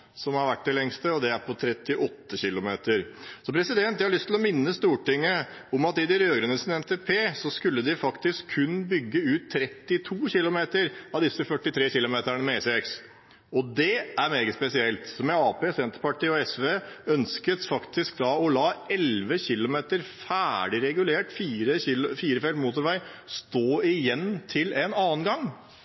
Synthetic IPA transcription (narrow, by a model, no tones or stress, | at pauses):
sɔmhɑɾʋæʈːd̪ɪlɛŋst̪əɔd̪ɛæɾpʰɔt̪ʰɾɛt̪ːɪʔɔt̪ːəçɪlʊmeːt̪əɾsɔpʰɾɛsɪd̪ɛnt̪jæɪhɑɭʏst̪ʰːl̩ɔmɪnːəst̪uːʈɪŋːə | ɔmɑt̪ɪd̪ɪɾøːɡɾənəsɪnɛmt̪ʰeːpʰeːsɔskʉlːəd̪ɪfɑkt̪ɪskʰːʉnbʏɡːəʉːt̪tʰːɾɛt̪ːɪt̪ʰuːçɪlʊmeːt̪əɾɑʋd̪ɪsːəfœʈːɪt̪ʰɾeːçɪlʊmeːt̪æɳəmɛɛsɛks | ɔd̪ɛʔæɾmeːɡəspɛsɪɛlt̪sɔmɛɑːpeːsɛnt̪əɾpɑʈɪːɔɛsʋeːœnskət̪fɑkt̪ɪsk̚d̪ɑɔlɑːɛlʋəçɪlʊmeːt̪əɾfæːɖɪɾɛɡʉleːʈfiːɾəɪlfiːɾəfɛlt̪muːt̪ʊɾʋæɪst̪oːɪjɛnːt̪ʰɪlɛnɑːənɡɑŋː